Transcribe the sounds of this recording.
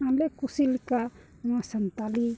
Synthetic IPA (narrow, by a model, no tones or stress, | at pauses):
anlekusilika | ŋasant̪ali